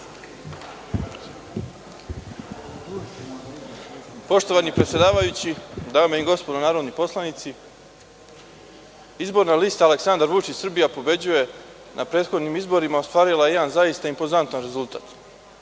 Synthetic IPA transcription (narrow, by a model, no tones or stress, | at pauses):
po̞ʃt̪o̞ʋanipɾet̪sʲje̞d̪aːʋajut͡ɕid̪aːmeiɡo̞spod̪onaːɾo̞d̪nipo̞slˠanit̪si | izbo̞ɾnaliːst̪aːle̞ksand̪aɾʋut͡ʃit͡ɕsr̩bijapo̞be̞d͡ʑuje̞ | nʔapɾed̪xo̞d̪nimizbo̞ɾimaost̪ʋaːɾilˠajeed̪anzaist̪aimpo̞zant̪anɾe̞zulˠt̪a̰ːt̪